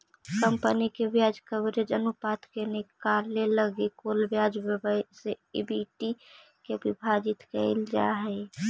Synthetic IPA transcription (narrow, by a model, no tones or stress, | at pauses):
kəmpənikebjad͡ʒkəbɾed͡ʒənupat̪kenɪkaɾleləɡekolbjad͡ʒbəbəseɪ̰biʈi | kebibʱad͡ʒɪt̪kəɪld͡ʒa̰ɦɛ